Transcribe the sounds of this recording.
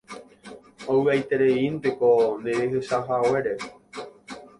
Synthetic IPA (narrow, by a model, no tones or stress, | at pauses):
owɨajt̪eɾeinpekonẽeheʃaɦaweɾe